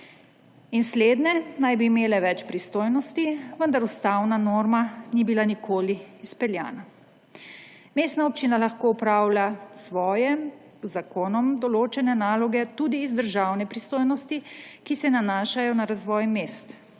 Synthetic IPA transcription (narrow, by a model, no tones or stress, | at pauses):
insleːd̪nɛnajbiːmeːlɛʋɛt͡ʃpɾist̪oːjnɔst̪iʋənd̪aɾust̪awnanoːɾmanibilanikʰoːliːspɛlja̰ːna | meːst̪naɔpt͡ʃinalaxkoːupɾaːwlasʋɔːjɛ | zakoːnɔmd̪ɔloːt͡ʃɛnɛnaːlɔɡɛt̪ud̪iːzd̪əɾʒaːwnɛpɾist̪oːjnɔst̪ikisɛnanaːʃajɔnaɾazʋɔjmeːst̪